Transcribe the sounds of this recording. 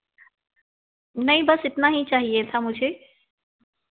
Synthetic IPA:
nɐĩbɐsɪt̪naɦit͡ʃaːɦijet̪ʰamʊd͡ʒʱe

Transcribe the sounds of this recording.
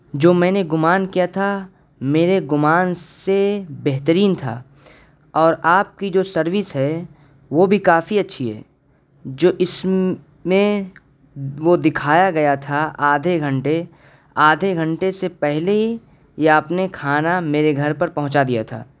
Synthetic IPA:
d͡ʒoːmɛ̃ːneɡʊmaːnkijat̪ʰa | meːɾeɡʊmaːnsebɛɦt̪əɾiːnt̪ʰa̰ː | ɔːɾaːp̚kid͡ʒoːsɐɾʋɪsɦɛ | ʋobʱikaːfiɐtːʃʰiɦɛ̰ː | d͡ʒoːʔɪs | mẽ | ʋod̪ɪkʰaːjaɡɐjat̪ʰaaːd̪ʱeɡʱɐ̃ɳʈe | aːd̪ʱeɡʱɐ̃ɳʈesepɛɦlei | jaɐpnekʰaːnameːɾeɡʱɐɾpɐɾpɐɦʊ̃t͡ʃad̪ija̰t̪ʰa̰ː

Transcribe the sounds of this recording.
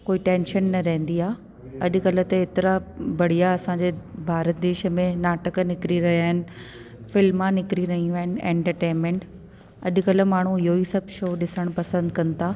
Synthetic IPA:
koːiʈẽːnʃənːɐɾɐɦɪ̃n̆d̪iaː | ɐʄʊ̆kɐlə̆t̪eːt̪ɪɾabɐɽ̤ijaɐsãd͡ʑeːbʱaːɾət̪̚d̪eːʃə̆mẽnaːʈəknɪkɾiɾɐɦiaːɦɪnɪ̆fɪlmːãnɪkɾiɾɐɦĩuaːɦɪnɪ̆ɛ̰̃ːɳʈəɾʈẽːnmẽɳʈ | ɐʄʊ̆kɐlə̆maːɳ̤uɪɦoːisɐbʱʃoːɗɪsəɽ̃pɐsə̃nd̪kɐ̃nɪ̆t̪ʰaː

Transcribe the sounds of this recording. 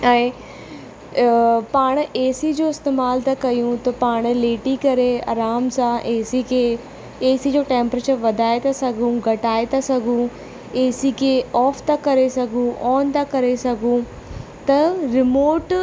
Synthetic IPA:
ɛ̃ː | paːɽ̃eːsid͡ʑoːɪst̪eːmaːlt̪akɐjũt̪ɐpaːɽ̃leːʈikɐɾeɐ̰ɾaːmsãʔeːsikʰe | eːsid͡ʑoːʈẽːmpɾeːt͡ɕəɾʋɐd̪ʱaːet̪asɐɡʱũɡʱɐʈaːet̪asɐɡʱũ | eːsikʰeɔːft̪akɐɾesɐɡʱũʔɔːnt̪akɐɾesɐɡʱũ | t̪ɐɾɪmoːʈ

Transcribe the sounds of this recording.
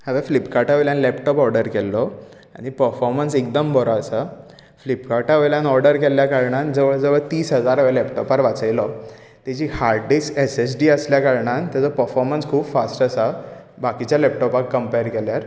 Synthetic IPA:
həʋɛflipkaʈaʋəljãnlɛpʈɔpɔɾɖəɾkɛlːɔ | aɽ̃ipəɾfɔɾmənsekd̪əmbʱəɾɔəsa | flipkaʈaʋəjljãnɔɾɖəɾkɛlːjakaɾɳand͡zəʋəɭd͡zəʋəɭt̪iːsɦəd͡zaɾɦəʋɛlɛpʈɔpaɾʋat͡səjlɔ | t̪at͡ɕiːhaɾɖɖisʈeses̬ɖiːəsljakaɾɳãnt̪jat͡sɔpəɾfɔɾmənskʰuːbfasʈəsa | bakit͡ɕjalɛp̚ʈɔpakːəmpeɾkɛljaɾ

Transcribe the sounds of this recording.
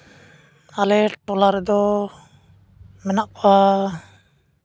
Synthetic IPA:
alɛʈɔlaɾɛd̪ɔ | mɛnaʔkɔwa

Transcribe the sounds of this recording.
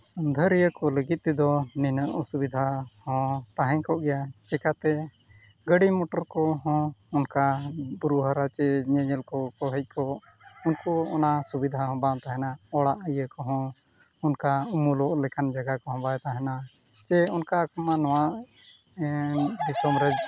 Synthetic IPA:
sənd̪ʱəɾijəkɔləɡit̪̚ˀt̪ɛd̪ɔninəʔɔsubid̪ʱahɔ̃t̪aɦɛ̃kɔʔɡɛjat͡ʃɛkat̪ɛ | ɡəɽimɔʈɔɾkɔɦɔ̃unkabuɾuɦaɾat͡ʃɛɲɛɲəlkɔkɔɦɛc̚ˀkɔʔ | unkɔɔnasubid̪ʱahɔ̃bãt̪aɦɛnaɔɽaʔəjəkɔɦɔ̃ | unkaumulɔʔlɛkʰand͡ʒaɡakɔɦɔ̃bajt̪aɦɛna | t͡ʃɛunkakɔmanɔ̃waʔ | d̪isɔmɾɛd͡ʒ

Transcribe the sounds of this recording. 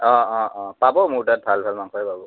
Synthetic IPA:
ɔ̃ɔ̃ʔɔ̃pabɔmʊɹtat̚bʱalbʱalmaŋkʰɔpabɔ

